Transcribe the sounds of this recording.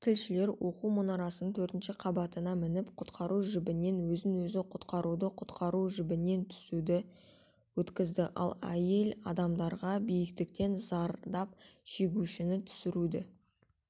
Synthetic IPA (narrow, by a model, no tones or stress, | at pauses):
t̪ʲʰɪlʃɪle̞ɾwo̞qumonɑɾɑsənənt̪ʰɵɾt̪ɪnʃɪqʰɑbɑt̪ənɑmɪnɪpqʰʊt̪qʰɑɾuʒɪbɪne̞nwɵzɪnwɵzɪqʰʊt̪qɑɾud̪əqʰʊt̪qɑɾuʒɪbɪne̞nt̪ʰʏ̥sud̪ɪ | wɵt̪kʲɪzd̪ɪʔɑ̰lˠæ̰je̞lɑ̰d̪ɑmd̪ɑɾʁɑbijɪkt̪ɪk̚t̪e̞nzɑɾd̪ɑp̚ʃe̞ɡʲuʃɪnɪt̪ʰʏ̥sɪɾud̪ɪ